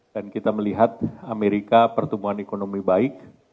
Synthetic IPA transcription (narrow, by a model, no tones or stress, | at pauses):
d̥ankit̪aməliɦat̪̚ameɾikapərt̪umbuɦanekonomibaɪk̚